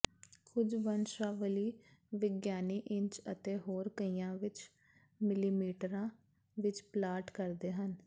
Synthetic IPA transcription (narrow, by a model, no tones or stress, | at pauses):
kʊd͡ʒʋənʃaːʋəliːʋɪɡjaːniːʔɪ̃ɲt͡ʃət̪eːɦoːɾkəiːãːʋɪt͡ʃ | mɪliːmiːʈəɾãː | ʋɪt͡ʃplaːʈkəɾd̪eːɦən